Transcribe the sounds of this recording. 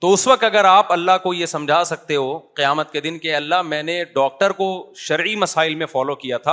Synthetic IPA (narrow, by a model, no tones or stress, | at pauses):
t̪oʊsʋɐq̚t̪ɐɡəɾaːpɐlːaɦkojesɐ̃md͡ʒʱaːsɐk̚t̪eɦoqɪjaːmət̪ked̪ɪnkeɐlːaɦmɛ̃ːneɖɔːk̚ʈəɾkoʃɐɾʕimɐsaːɪlmẽfɔːlokijat̪ʰaː